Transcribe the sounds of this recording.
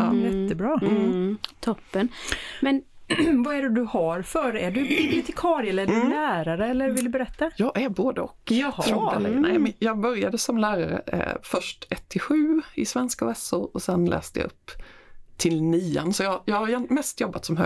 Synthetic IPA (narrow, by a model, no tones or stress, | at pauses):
jɛt̪ːəbɾɑː | t̪ʰɔpːənmɛnvaæɖɛd̪ɵhaɾfœɾæɖɵbʊt̪ɪkʰɑːɾɪɛləɛɖɵnæːɾaɾəɛlːəɾvɪld̪ɵbɛɾɛt̪ːajɑːɡæɾboːd̪əɔkːɾɔkːalɛ̰nɛɪmjɑːɡbœɾjad̪əsɔmlæːɾaɾə̰fœʂʈɛt̪ʰːɪɧʉ̟ːɪsvɛnskavɛsʊɾɔsɛnlʔɛ̰ːst̪əja̰ʔɵ̰pːt̪ʰɪlniːansɔjɑːjɑːɡhaɾjɛnmɛst̪jɔbːat̪sɔmɦœ